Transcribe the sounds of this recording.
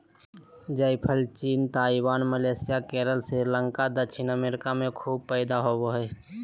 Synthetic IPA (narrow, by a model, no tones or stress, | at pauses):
d͡ʒəɪpʰəlt͡ʃiːnt̪aːibaːnməleːsɪjakeːɾəlsɾiːɾlə̃ŋkad̪əʃʰɪnəmeːɾɪkamẽkʰuːb̚pɛːd̪aɦoːboɦɛː